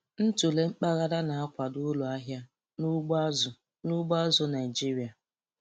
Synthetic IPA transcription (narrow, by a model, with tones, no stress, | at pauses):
n̩˦tu˨le˦ŋ͡m̩˦k͡pa˦ɣa˦ɾa˦na˨a˦kʷa˨dʊ˦lʊ˨a˦ɦja˦ | nu˦ɡ͡ba˦zʊ˨ | nu˦ɡ͡ba˦zʊ˦na˨i˨d͡ʒi˦ɾi˨a˨